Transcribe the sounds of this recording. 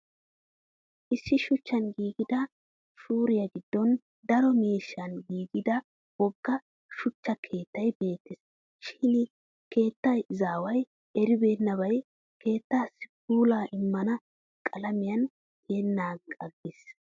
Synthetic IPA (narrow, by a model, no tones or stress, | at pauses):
ʔɪsːɪʃʊt͡ʃːɐnɡiːɡɪd̪ɐ | ʃuːɾɪjɐɡɪd̪̥ːɔn | d̪ɐɾɔmiːʃːɐnɡiːɡɪd̪ɐ | wɔɡːɐ | ʃʊt͡ʃːɐkʰe̞ːt̪ːɐjbe̞ːt̪ːɪs | ʃɪn | ke̞ːt̪ːɐjzaːwɐj | ɛɾɪbe̞ːnːɐβɐj | kʰe̞ːt̪ːaːsɪ̥kuːlaːʔɪmːɐnɐ | kʼɐlɐmɪjɐn | d̪eːnːaːɐɡːɪs